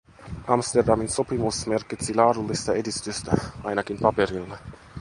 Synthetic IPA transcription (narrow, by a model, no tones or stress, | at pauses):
ʔɑmst̪erdɑminso̞pimusme̞rkit̪silɑːɾulːist̪ɑe̞dist̪yst̪æ̰ʔɑjnɑkimpɑpeɾilːe